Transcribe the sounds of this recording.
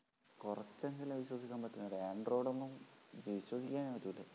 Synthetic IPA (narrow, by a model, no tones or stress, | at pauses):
kurɐt͡ɕːeŋɡɐlumɐʋiɕwɐs̬ikʲːaːmpɐtʈːunːɐðɨaːɳɖro̞ːɽonːumʋiɕwɐsikʲːaːnʋɐt̪ːulɖɨ